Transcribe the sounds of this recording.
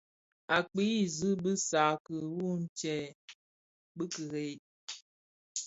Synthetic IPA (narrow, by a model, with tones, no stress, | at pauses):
a˨k͡pi˦˨zɨ˦bɨ˦sa˨kə˨wu˦n̩˦t͡ʃɛ˦˨ | bə˦kə˨ɾe˨˦˨